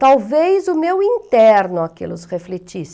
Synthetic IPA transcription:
t̪awvejzʊmewĩnt̪ɛɾnʊakḛlʊsʁeflet͡ʃis

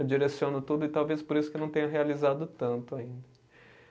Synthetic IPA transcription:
d͡ʒiɾesiõnʊt̪ud̪ʊɪt̪awvespoɾisʊkɪnɐ̃w̃t̪ẽɲ̃ɐ̃ɦealizad̪ʊt̪ɐ̃nt̪ʊaĩnd̪ɐ

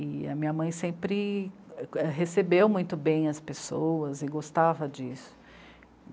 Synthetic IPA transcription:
ɪɐ̰mĩɲɐmɐ̃j̃sẽpɾɪ | ɛɦesebewmũj̃t̪ʊbẽj̃ɐspesowɐzɪɡost̪avɐd͡ʒisʊ̥

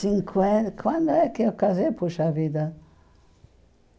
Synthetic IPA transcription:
ĩŋkʰwɛkwãnd̪oɛkːeɛwkazepuʃavid̪ɐ

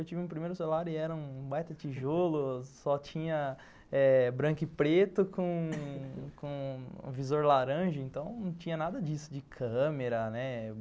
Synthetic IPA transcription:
ewt͡ʃivɪ̃ũpɾimejɾʊselaɾʊɪɛɾɐũbajt̪ɐt͡ʃiʒolʊsɔt͡ʃĩɲɐ | ɛbɾɐ̃kɪpɾet̪ʊkõ | kõ̰vizoɾlaɾɐ̃ʒɐẽnt̪ɐ̃w̃nɐ̃w̃t͡ʃĩɲɐnad̪ɐd͡ʒisʊd͡ʒɪkʰɐ̃meɾɐnɛ

